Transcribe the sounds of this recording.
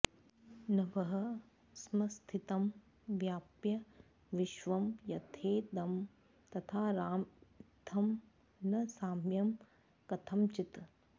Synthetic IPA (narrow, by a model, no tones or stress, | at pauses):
nɐʋɐɦɐ | smɐst̪ʰit̪ɐm | ʋjaːpjɐ | ʋiʃʋɐmjɐt̪ʰeːd̪ɐm | t̪ɐt̪ʰaːɾaːmt̪ʰɐm | nɐsaːmjɐm | kɐt̪ʰɐmt͡ʃit̪